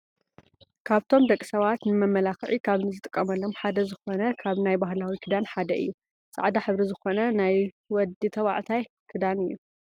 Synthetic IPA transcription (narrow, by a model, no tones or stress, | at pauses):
kʰaβt̪ʰo̞md̪ɐkʼːi̥sɐβat̪nɨmɐmːɐlakʕikʰaβnɨzɨt̪ʼɨkʼːɐmɐlːo̞mħad̪ɐzɨxo̞nɐkʰaβnajbaɦlawikʰɨd̪anħad̪ɐʔɨ̰jːu | sʼa̰ʕd̪aħɨβɾizɨxo̞nɐnaj | wɔd̪it̪ʰɐwa̰ʕt̪ʰaj | kʰɨd̪anɨjːu